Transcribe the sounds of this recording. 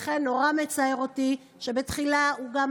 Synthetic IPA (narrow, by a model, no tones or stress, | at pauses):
χenːo̞ʁame̞t͡saeʁoti | ʃe̞be̞tχilauɡam